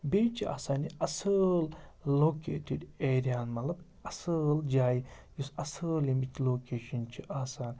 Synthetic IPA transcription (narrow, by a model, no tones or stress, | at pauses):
beːt͡ʃʰia̰ːsaːniɐsəllːoːkḛːʈiɖeːɾijaːnmɐt̪lɐb | ɐsəld͡ʒaːjijusɐsəljimit͡ʃloːkeːʃɐnt͡ʃʰiʔaːsaːn